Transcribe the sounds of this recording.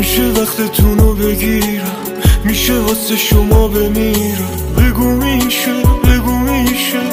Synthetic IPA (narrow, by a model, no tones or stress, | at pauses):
miʃevæχt̪ʰet̪ʰunobe̞ɡiːɾæmː | iːʃevɒseʃomɒːbemiɾæm | beɡumiʃebeɡumiːʃe